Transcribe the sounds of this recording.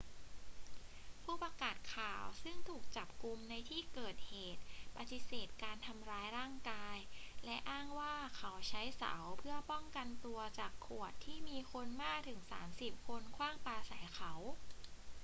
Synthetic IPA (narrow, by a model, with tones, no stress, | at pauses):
pʰuː˥˩paː˧kaː˨˩t̪̚kʰaː˨˩wsɯ˥˩ŋt̪ʰuː˨˩k̚t͡ɕa˨˩p̚ku˧mna˧jt̪ʰiː˥˩kɤː˨˩t̪̚heː˨˩t̪̚pa˧t̪i˧˩seː˨˩t̪̚kaː˧nt̪ʰa˧mɾaː˧jɾaː˥˩ŋkaː˧jlɛ˦˥ʔaː˥˩ŋwaː˥˩kʰa˦˥wt͡ɕʰa˦˥jsa̰˩˦wpʰɯ˥˩ɐpɔ˥˩ŋka˧nt̪u˧ɐt͡ɕaː˨˩kʰːu˨˩ət̪ʰːiː˥˩miː˧kʰo˧nmaː˥˩k̚t̪ʰɯ˩˦ŋsa̰ː˩˦msi˨˩p̚kʰo˧nkʰwaː˥˩ŋpaː˧sa˩˦jkʰa˦˥w